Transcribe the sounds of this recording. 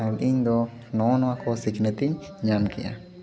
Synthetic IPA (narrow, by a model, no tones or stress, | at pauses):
alʔiɲd̪ɔ | nɔnɔakʰɔsiknɛt̪iɲɲamkḭja̰